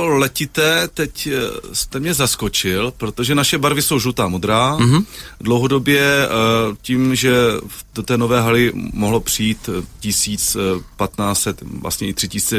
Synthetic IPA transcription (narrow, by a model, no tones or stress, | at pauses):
olɛcɪt̪ɛːt̪ɛcst̪ɛmɲɛzasko̞t͡ʃɪlpɾo̞t̪o̞ʒɛnaʃɛbaɾvɪso̞wʒut̪aːmod̪ɾaː | dlowɦo̞do̞bjɛ | ciːmʒɛ | dot̪ɛːnovɛːɦalɪmoɦlo̞pr̥ijiːt̪cɪsiːt͡spat̪naːt͡sɛt̪vlʔa̰sɲɛɪt̪r̥ɪcɪsi̥ːt͡sɛ